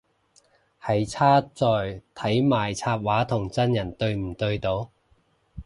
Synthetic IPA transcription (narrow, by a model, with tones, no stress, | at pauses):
hɐ˨˧jt͡sʰaː˥t͡sɔː˨jt̪ʰɐ˨˥jmaː˨jt͡sʰaː˧p̚waː˨˥t̪ʰʊ˨˩ŋt͡sɐ˥njɐ˨˩nt̪ɵ˧ɥm̩˨˩t̪ɵ˧ɥt̪o˨˧w